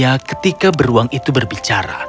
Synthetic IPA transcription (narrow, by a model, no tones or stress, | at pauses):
akə̥t̪ikabəɾuaŋit̪ubərbit͡ʃaɾa̰